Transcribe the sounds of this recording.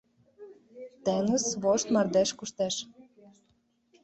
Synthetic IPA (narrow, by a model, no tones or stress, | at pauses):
t̪enusβoʃt̪mɑrd̪æʃkuʃt̪æʃ